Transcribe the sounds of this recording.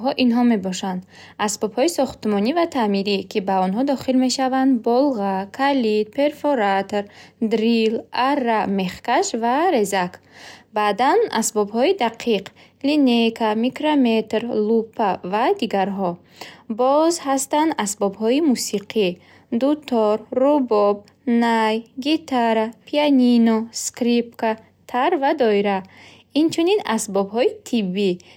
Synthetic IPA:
ɦɔʔinɦɔme̞bɔʃand̪ | ʔasbɔbhɔisɔχt̪mɔnivat̪ʰamiɾikʰibaɔnɦɔd̪ɔχilme̞ʃavand̪bɔlˠʁakʰalit̪̚pʰe̞ɾfoɾat̪ɾd̪ɾilarːame̞χkaʃvaɾe̞zak | bad̪anasbɔbhɔid̪aqʰiq | linekʰamikɾamet̪ɾlupʰːavad̪iɡaɾɦɔ | bɔzhast̪and̪asbɔbɦɔimusiqʰi | d̪ut̪ʰɔɾːubɔb̚ | najɡit̪ʰaɾapʰianinɔskɾip̚ka | t̪ʰaɾvad̪ɔiɾa | int͡ʃʰuninasbɔbɦɔit̪ʰibːi

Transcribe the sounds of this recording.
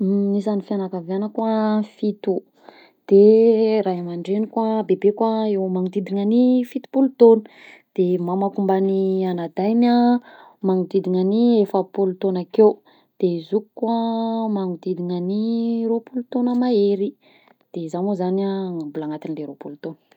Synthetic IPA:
nisanifianakavanəkwafit̪u | d̪̥eɾaɦamaɳɖ͡ʐenikwabebekwaewmaŋud̪id̪iŋanifit̪u̥pulut̪onə̥ | d̪̥emamakumbanianad̪ajma | maŋud̪id̪iŋaniefəpulut̪onakew | d̪̥ezukukwamaŋud̪id̪iɲaniɾopulut̪onəmaeɾi | d̪̥ezamozanaambulaŋat̪inileɾopulut̪onə̥

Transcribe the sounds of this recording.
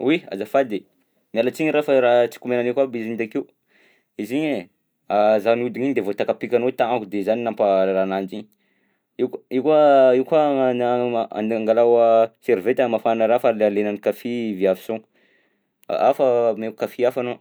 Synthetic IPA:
wia̰zafad̪e | mialat͡siɲiɾafəɾaɦt͡si̥kumenanikabiziɲd̪akiu | iziɲe | azanud̪iɲiɲd̪evot̪akapikʲanot̪aŋakud̪ezaninamparanand͡ʒiɲ | ikikaiukanaa̰niaŋɡalawaseɾvet̪amafanaɾafallenanikafiviavisoŋ̰ | afəmeku̥kafiafano

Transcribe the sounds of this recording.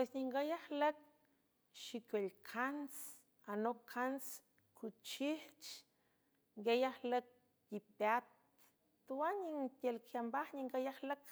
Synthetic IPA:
pwesɲiŋɡajahlək̚ | ʃikʷelkʰans | anokʰans | kʰut͡ʃiht͡ʃ | ŋɡejahlək̚ | jipat̪ | t̪uaɲiŋt̪ʲelkʰjambahɲiŋɡajahlək

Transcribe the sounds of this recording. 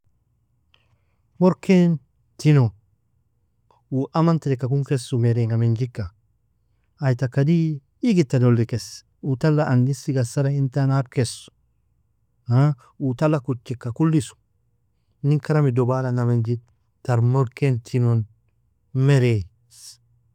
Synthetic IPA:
moɾken | tino | uʔamanteɾekakuŋkesumeɾeŋamend͡ʒikːa | jtakadiː | ɡitːadolːikes | utalːaʔanɡisiɡasaɾaintanaɾkesu̥ | a | utalːakut͡ʃːikːakulːisu̥ | niŋkaɾamidobalanamend͡ʒit | tːaɾmoɾkentʰinon | meɾe | s

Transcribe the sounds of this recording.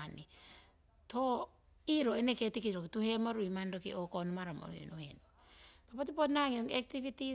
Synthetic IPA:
ani | tʰo | iɾoeneketikiɾokituhemoɾuimandokḭʔokonomaɾamo̰ḭnohenu | papat̬iponaŋinoŋek̚tiβiti

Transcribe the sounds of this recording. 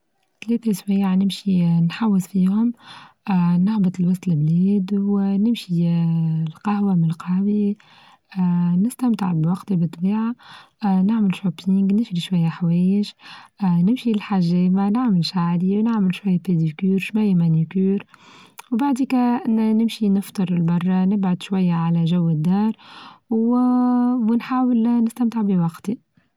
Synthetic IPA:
t̪lɛːθaʃwæjːʕnɪmʃinħawːɪsfiːhʊm | naħbət̪ˤəlwɑsˤt̪lɪblɛːd̪wnɪmʃi | lqɑhwamɪnlqɑhwi | nɪst̪amt̪ə̰ʕbwɑqt̪ibɨt̪ˤːbiːʕa | naʕməlʃopiŋɡnɪʃliʃwajːaħawɛːjɪʒ | nɪmʃilħaʒɛːmanaʕməlʃaʕliwnaʕməlʃwajːæped̪ikyːɾʃwæjːmænukyːɾwbaʕd̪ikænɪmʃinɨft̪ˤɨɾˤɪlbɑrˤːɑnɪbʕʊd̪ʃwæjːaʕalæʒæwːəd̪ːɑːɾˤw | wnħaːwəlnɪst̪æmt̪əʕbiwɑqt̪i

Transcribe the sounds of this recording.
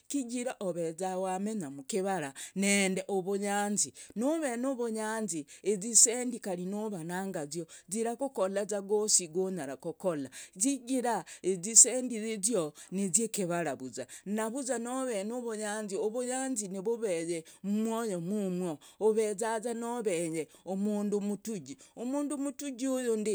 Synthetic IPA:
kiɟiɾaʔoβezawameɲamukiβaɾanendeʔoβuɲaːnzinoβenoβoɲaːnziezisendikaɾinoβanaːŋɡazjoziɾakukolazaɡosiɡoɲaɾakokolaziɡiɾaezisendizezjonezekeβaɾaβuzanaβuzanoβenoβoɲaːnzioβoɲaːnzineβoβejemumwojomumwooβezazanoβejeomuːndumutuɟiomuːndumutuɟiojondi

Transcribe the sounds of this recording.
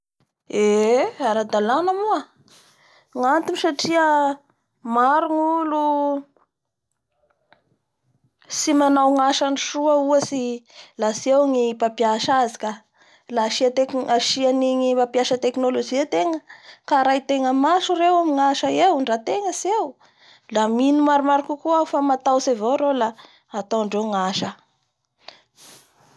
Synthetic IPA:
eaɾad̪alanəmuə | ŋant̪inisaʈ͡ʂiə | maɾuŋulu | simanawŋaʃaniʃuəuəsilasiewŋipapjaʃazikʲa | laʃiaaʃianiŋimapjaʃət̪eknolod͡ʒiet̪eŋəkaɾajt̪eŋəmaʃuɾewamiŋaʃəewɳɖ͡ʐat̪eŋəsiew | laminumaɾumaɾikukuafamat̪awsevoɾelaː | t̪oɳɖ͡ʐeŋaʃə

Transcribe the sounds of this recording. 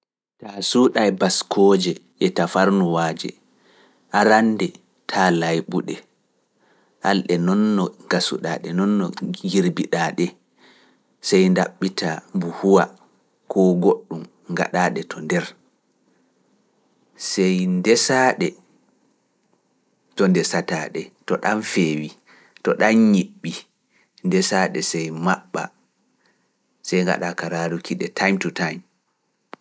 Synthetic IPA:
tasuɗajbaskʰɔːd͡ʒɛʔɛtafaɾnuwaːd͡ʒɛ̰ | ʔaɾanːdɛ | tʰaːlajɓuɗɛ | ʔa̰lɗɛnɔnːɔɡ̥asṵɗa̰ːɗɛnɔnːɔɡiɾbiɗaːɗɛ | sɛjndaɓːitambuhuwa | kʰɔɡoɗːum | ŋɡa̰ɗaːɗɛtʰɔndɛɾ | sɛjndɛsaɗɛ | tɔndɛsataɗɛtɔɗanfeːwi | tɔɗanɲiɓːi | ndɛsaɗɛsɛjmaɓːa̰ | sɛjŋɡa̰ɗakaɾaɾukʰiɗɛtʰajmtutajm

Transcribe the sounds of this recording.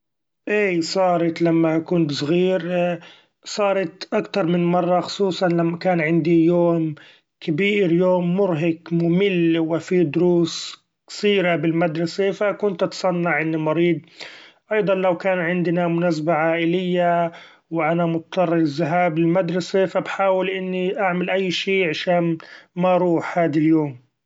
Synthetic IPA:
ʔeːsˤɑːɾˤɑt̪lamːakʊnt̪sˤɣiːɾ | sˤɑːɾˤɑt̪ʔakt̪ɑɾˤmɪnmɑrˤːɑxʊ̥sˤuːsˤɑnlamːakaːnʕɪnd̪ijoːm | kabiːɾjoːmːʊɾɦɪkmʊmɪlwɪfid̪ʊɾuːs | ksiːɾabɪlmad̪ɾˤɑsefakʊnt̪ʔɑt̪sˤɑnːɑʕʔɪnːimɑɾiːd̪̚ʔɑjd̪ˤɑnlawkaːnʕɪnd̪namʊnas̬abaʕaːʔɪlɪjːa | wɪʔanamʊt̪t̪ˤɑrˤːɪɾɪzːaɦaːbɪlmad̪ɾˤɑsefabħaːwɪlʔɪnːiʔaʕmalʔajːʃiːʕaʃaːnmaʔɑɾˤuːħhaːd̪aljoːm

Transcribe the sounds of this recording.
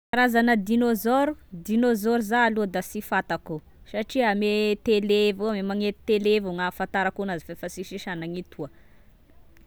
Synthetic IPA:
aɾazanəd̪inozoɾud̪inozoɾuzaːlud̪asifat̪aku | saʈ͡ʂiamet̪elevoamemaŋet̪i̥t̪elevuŋafant̪aɾakunazifefasiʃiʃanaŋit̪ʰuə

